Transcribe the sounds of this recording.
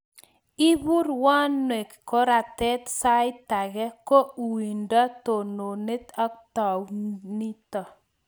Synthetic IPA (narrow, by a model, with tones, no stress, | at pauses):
i˦bu˦ɾwa˦nːwe˨kkɔ˦ɾa˨tɛ˦t̪sa˦ɪ˦ta˨ɡɛ˦ko˦˨wi˨nda˦t̪o˨no˨ne˦ta˦k̚ta˨wni˦tɔ˨